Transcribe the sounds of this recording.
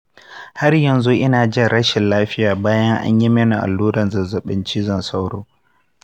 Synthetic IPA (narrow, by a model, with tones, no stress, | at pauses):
ha˦rjɐ˨nzu˦ʔɪ˦naː˨d͡ʒɪ˦ɽɐ˦ʃɪ˨nlaː˦ɸɪ˦jaː˨baː˦jɐ˦ŋʔa̰˦ɲji˦mɐ˦nu˨ʔa̰˨lːuː˦ɽɐ˨nzɐ˨zɐ˨ɓɪ˦nt͡ʃi˦zɐ˦˨nsa˦wɽo̰ː˦